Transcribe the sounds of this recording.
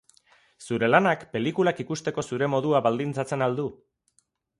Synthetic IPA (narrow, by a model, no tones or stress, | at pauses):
suɾe̞lanakpe̞likulakikust̪e̞ko̞suɾe̞mo̞ð̞uaβald̪int͡sat͡se̞nald̪u